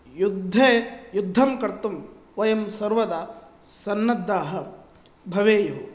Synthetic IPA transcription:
jud̪ʱːeːjud̪ʱːɐmkɐɾt̪um | ʋɐjɐmsɐɾʋɐd̪aːsɐnːɐd̪ːaːɦɐ̆ | bʱɐʋeːjɐɦɐ

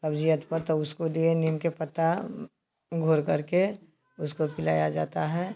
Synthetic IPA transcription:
sɐbd͡ʒiət̪pɐɾt̪oʊskod̪ienimkepɐt̪a | ɡʱoːɾkɐɾke | ʊskopɪla̰ːjad͡ʒa̰ːt̪aɦɛː

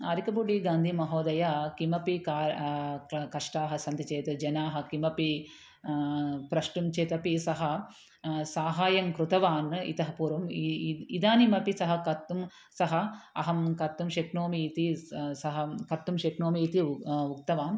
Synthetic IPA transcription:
ɐɾikɐbuɖiɡaːnd̪ʱimɐɦoːd̪ɐjɐkimɐpikaːɾ | kɐʂʈaːɦɐ̆sɐnt̪it͡ʃeːt̪ɨd͡ʒɐnaːɦɐ̆kimɐpi | pɾɐʃʈumt͡ʃeːt̪ɐpisɐɦɐ̆ | saːɦaːjɐŋkɾut̪ɐʋaːnḭt̪ɐɦɐpuːɾʋɐmid̪aːnimɐpisɐɦɐ̆kɐt̪ːum | sɐɦɐɐɦɐmkɐt̪ːumʃeknoːmiːt̪isɐɦɐkɐt̪ːumʃeknoːmiːt̪iuk̚t̪ɐʋaːm

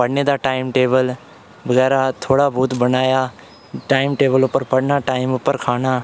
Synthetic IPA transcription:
pəɽned̪aːʈaːɪmʈeːbəl | bəɣɛːɾat̪ʰoːɽabuːt̪bənaːja | ʈaːɪmʈeːbəlʊpəɾpəɽnaːʈaːɪmʊpːəɾkʰaːnaː

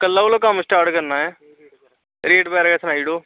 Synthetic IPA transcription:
kəlːaːoːlakəmsʈaːɾʈkəɾnaːɦɛː | ɾeːʈpɛːɾɡaːsnaːiɽoː

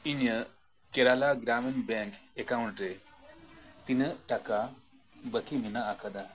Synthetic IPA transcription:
iɲə | keɾalaɡɾamənbɛ̃ŋkekawɳʈɾe | t̪inəʈaka | bəkiminaːkad̪a

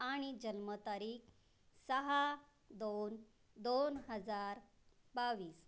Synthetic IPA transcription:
aɽ̃id͡ʑənmət̪aɾiːk | səɦa | d̪on | d̪onɦəd͡zaɾ | baʋiːs

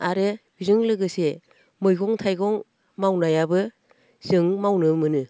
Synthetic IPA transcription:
aɾɯbizɯŋlɯɡɯse | mɯjɡɔŋtʰajɡɔŋ | mawnajabɯ | z̥ɯŋmawnɯmɯnɯ

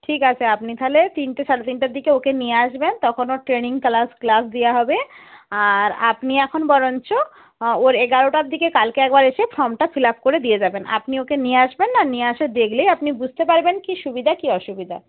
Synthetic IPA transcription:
ʈʰikat͡ɕʰeapnit̪ʰalet̪inʈeʃaɽet̪inʈaɾd̪ikeokenijeaʃbent̪ɔkʰonoʈɾeniŋklasklasd̪ijaɦɔbeaɾapniɛkʰonbɔɾont͡ɕʰo | oɾeɡaɾoʈaɾd̪ikekalkeɛk̚baɾeʃefʰɾɔmʈafʰilapkoɾed̪ied͡ʑabena̰pniokenieaʃbenːanieaʃed̪ekʰlejapnibud͡ʑʱt̪epaɾbenkiʃubid̪ʱakiɔʃubid̪ʱa̰

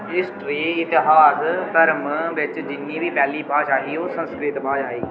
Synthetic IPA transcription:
ɪsʈɾiːɪt̪ːɪɦaːst̪əɾmʋɪt͡ʃd͡ʒɪnjĩːʋiːpɛːliːpaːt͡ʃaːɦiːoːsə̃nskɾɪt̪baːd͡ʒaːiː

